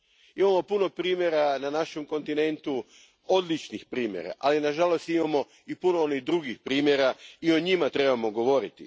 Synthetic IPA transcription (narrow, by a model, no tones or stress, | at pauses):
imamo̞puno̞pɾiːmʲje̞ɾananaʃe̞mko̞nt̪ine̞nt̪u | o̞d̪lit͡ʃnixpɾiːmjḛɾa̰ʔalinaʒalo̞st̪imamo̞ | ipuno̞oniɣd̪ɾuɡixpɾiːmjeɾaio̞ɲimat̪ɾe̞bamo̞ɡo̞ʋo̞ɾit̪ḭ